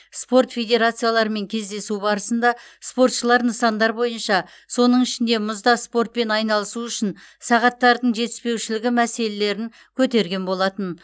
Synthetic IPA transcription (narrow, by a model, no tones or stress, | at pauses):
spo̞rt̪fʲe̞jd̪ʲe̞ɾat̪sɨjalˠɑɾəme̞ŋkʲʰe̞zd̪e̞subɑɾəsənd̪ɑspo̞rt̪ʃəlˠɑɾnəsɑnd̪ɑɾbo̞jənʃɑ | so̞nəɴɪʃɪnd̪e̞mʊzd̪ɑspo̞ɾt̪̚pe̞nɑjnɑlˠəsuʏʃɪn | sɑʁɑt̪ːɑɾd̪əɴʒe̞t̪ɪ̥spe̞wʃɪlɪɡʲɪmæse̞le̞le̞ɾɪŋ | kʲʰɵt̪e̞ɾɡʲe̞nbo̞lˠɑt̪ən